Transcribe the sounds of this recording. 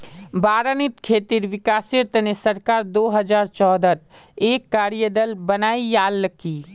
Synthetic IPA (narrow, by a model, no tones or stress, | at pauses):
baːɾənit̪kʰet̪iɾʋɪkaːsiɾt̪nesəɾkaɾd̪oɦəd͡ʒaɾt͡ʃɔːd̪ət̪ | ekːaːɾijəd̪əlbənaijaːlki